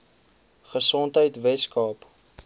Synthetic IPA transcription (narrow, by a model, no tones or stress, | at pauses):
χəsɔntɦəjtvɛskɑːp